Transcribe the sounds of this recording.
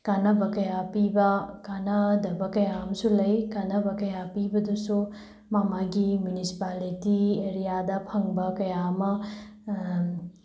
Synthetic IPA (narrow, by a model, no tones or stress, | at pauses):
kanɐbɐkɐjapibɐkanɐd̪ɐbɐkɐjaːmɐsulɐjkanɐbɐkɐjapibɐd̪usu | mamaɡimjunisi̥palitieɾijad̪apʰɐŋbɐkɐjaːmɐ